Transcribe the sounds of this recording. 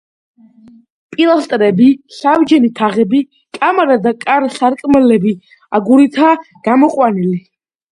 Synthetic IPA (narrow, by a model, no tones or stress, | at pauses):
pʼilˠast̪ʼɾɛbisavd͡ʒɛnit̪ʰaʁɛbi | kʼamɾad̪akʼaɾsaɾkʼmɛlɛbi | aɡuɾit̪ʰa | ɡ̥amɔqʼwanili